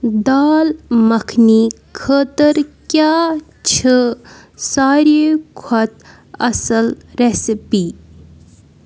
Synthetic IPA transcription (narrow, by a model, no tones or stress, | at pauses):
d̪aːlmɐkʰni | kʰəːt̪əɾkʲjaː | t͡ʃʰə | saːɾekʰɐt̪̚ | ɐsəlɾesipi